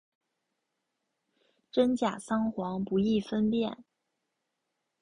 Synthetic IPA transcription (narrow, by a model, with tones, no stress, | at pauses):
ʈ͡ʂə˥nt͡ɕja˨˩sɑ˥ŋxwɑ˧˥ŋpu˧˥i˥˩fə˥npjɛ˥˩n